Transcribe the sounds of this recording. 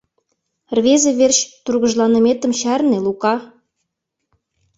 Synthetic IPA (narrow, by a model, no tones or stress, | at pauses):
rβezeβerɕt̪urɣə̆ʒlɑnə̆met̪ə̆mɕærnelukɑ